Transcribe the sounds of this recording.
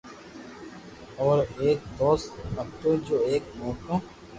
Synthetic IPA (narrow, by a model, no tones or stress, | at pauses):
ɔːɾeːk̚d̪oːst̪ɐkt̪oːd͡ʒoːeːkmɔːkõː